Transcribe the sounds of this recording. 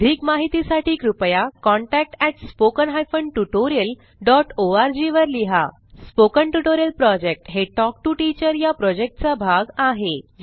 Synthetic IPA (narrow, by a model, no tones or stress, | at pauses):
d̪ʱiːkmaɦit̪isaʈiːkɾupjakɔ̃ɳʈæk̚ʈɛʈspokənɦajfəɳɖʈuʈoɾiəl | ɖɔʈoaɾd͡ʑiʋəɾliɦa̰ | spokəɳʈuʈoɾijəlpɾɔd͡ʑek̚ʈɦeʈɔk̚ʈuʈit͡ɕəɾjapɾɔd͡ʑek̚ʈt͡sabʱaɡaɦe